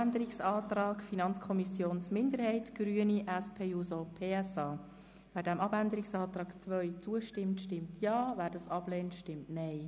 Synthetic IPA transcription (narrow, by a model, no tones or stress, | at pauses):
ndəɾiksɑːt̪ɾɑːkfinɑnt͡skʰɔmisjoːnsmɪndəɾhɛɪtɡ̥ɾyəniʔɛspʰeːjusopʰeːɛsɑː | væːɾdæmɑbænd̪əɾɪksɑːt̪ɾɑːkt͡sʋœʏt͡suəʃtɪmtʃtɪmtʰjɑːvæːɾdɑsɑb̥leːntʃtɪmtnɛɪ